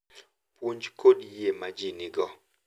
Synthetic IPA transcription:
pwuɲd͡ʒkʰoɗjemad͡ʒinɪɡɔ

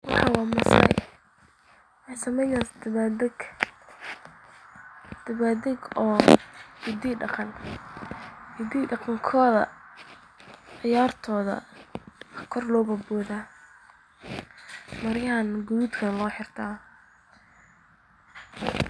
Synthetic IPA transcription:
wɑħɑwɑːmɐslɛ̰j | wɑsɐmɛjnad̪d̪ɡ | d̪̥ɐβaːd̪ɛɡɔːhɪd̪iːɖɑqɑn | hɪd̪iːɖɑqɑŋkʰɔːðɐ̰ | ʕɪjaːrt̪ʰɔːðɐ̰ | kʰɔrlɔːbɐbɔːðaː | mɐɾjanɡʊðud̪kʰɐnlɔːħɪrt̪ʰaː

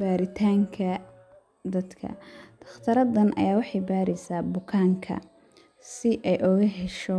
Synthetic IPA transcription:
baːɾɪt̪ʰaːŋkʰɐ | d̪ɐd̪kʰɐ̰d̪̥ʰɐ̥χt̪ʰɐɾɐd̪ɐnʔɐ̰jaːwɑħɑjbaːɾɛjsaːbʊkʰaːŋkʰɐ̰ | sɪʔɛjʔɔɣɐɦɛʃɔ

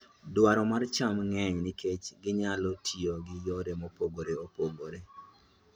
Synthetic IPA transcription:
dwaɾɔmart͡ʃamŋɛɲnɪkʰet͡ʃɡɪɲalotʰioɡɪjoɾemopoɡoɾeopoɡoɾe

